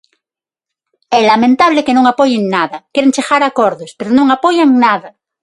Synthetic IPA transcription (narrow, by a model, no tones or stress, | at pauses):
ɛlamẽnt̪aβ̞lekenõŋapojeŋnaðakjeɾeŋt͡ʃeɣaɾakoɾðospeɾonõŋapojaŋnaða